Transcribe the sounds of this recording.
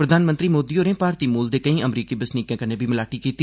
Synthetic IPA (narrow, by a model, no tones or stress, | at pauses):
pɾəd̪ʱaːnmə̃nt̪ɾiːmoːd̪iːoːɾẽːpaːɾt̪iːmuːld̪eːkəĩːəmɾiːkiːbəsniːkjãːkənẽːbʱiːmɪlaːʈiːkiːt̪iː